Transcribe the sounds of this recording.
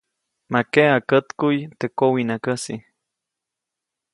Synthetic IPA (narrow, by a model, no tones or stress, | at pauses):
makeakət̪kujt̪ekowinakəsi